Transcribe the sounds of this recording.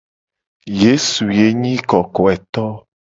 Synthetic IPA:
je˦su˨je˨ɲĩ˦kɔ˨kɔ˨ɛ˨t̪ɔ˦

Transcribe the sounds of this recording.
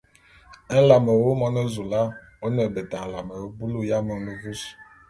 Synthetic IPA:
ɛ˦la˨mə˨wo˦mɔ˦nə˦zu˨la˦ | o˦ne˨be˨ta˨n˨la˨mə˨o˦bu˦lu˦ja˦mə˨˦nə˨vu˦s

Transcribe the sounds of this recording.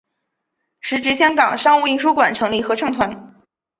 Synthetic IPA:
ʂɻ̩˧˥ʈ͡ʂɻ̩˧˥ɕjɛ˥nkɑ˨˩ŋʂɑ˥ŋu˥˧i˥˩˧nʂu˥kwa˨˩nʈ͡ʂʰɤ˧˥ŋli˥˩xɤ˧˥ʈ͡ʂʰɤ˥˧ŋt̪ʰwa˧˥n

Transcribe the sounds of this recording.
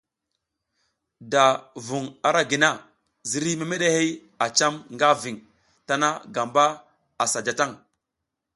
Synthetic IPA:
da˨vu˨ŋa˨ɾa˦ɡi˨na˦˨ | zi˨ɾi˦me˦me˦ɗe˦hi˦ | a˨t͡ʃa˦mŋɡa˦vi˨ŋ | ta˦na˦ɡa˨mba˦ | a˨sa˨d͡ʒa˨ta˦˨ŋ

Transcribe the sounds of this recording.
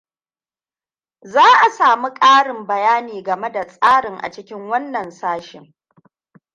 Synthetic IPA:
zaː˦ʔa˨saː˨mu˦kʼaː˦ɽɪ˨mbɐ˨jaː˦niː˨ɡɐ˨me˦da˨sʼaː˦ɽɪ˨ŋʔa̰˨t͡ʃɪ˦kʲɪ˦ŋwɐ˦nːɐ˨nsaː˦ʃɪ˨ŋ

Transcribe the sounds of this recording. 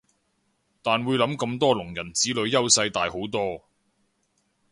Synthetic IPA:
t̪aː˨nwuː˨˧jlɐ˨˥mkɐ˧mt̪ɔː˥lʊ˨˩ŋjɐ˨˩nt͡siː˨˥lɵ˨˧ɥjɐ˥wsɐ˧jt̪aː˨jho˨˥wt̪ɔː˥

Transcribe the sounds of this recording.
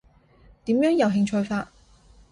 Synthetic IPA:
t̪iː˨˥mjœː˨˥ŋjɐ˨wɦɪ˧ŋt͡ʃʰɵ˧ɥfaː˧t̚

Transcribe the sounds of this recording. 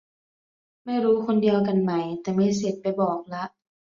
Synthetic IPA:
ma˥˩jɾuː˦˥kʰo˧ndi˧əwka˧nma˦˥jt̪ɛː˨˩miː˧˥˩s̬e˨˩t̪̚pa˧jbɔː˨˩k̚la˦˥ʔ

